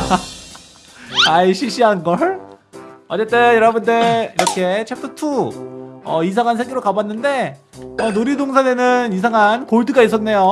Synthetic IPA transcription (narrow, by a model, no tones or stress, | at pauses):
aiɕʰiɕ͈ʰiɦanɡʌɭ | ʌt͡ɕ͈e̞t͈ejʌɾʌbundeiɾʌkʰe̞t͡ɕʰep̚tʰɯtʰu | ʌisʰaŋɦansʰeɡiɾokabanːɯnde̞ʌnoɾidoŋsʰane̞nɯnis̬ʰaŋɦankoɭdɯɡais̬͈ʌnːe̞jo